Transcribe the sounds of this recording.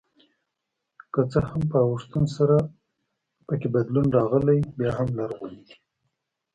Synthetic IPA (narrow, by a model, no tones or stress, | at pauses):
kət͡səhampəawəʂt̪ənsaɾa | pəkebad̪lunɾɑɣəlajbjɑɦamlaɾɣunid̪i̥